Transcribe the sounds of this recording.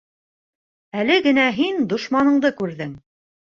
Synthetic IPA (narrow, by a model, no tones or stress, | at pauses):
ælɘɡɘ̆næɦind̪ŏʃmɑnɤ̆ɴd̪ɤkʉɾðɘŋ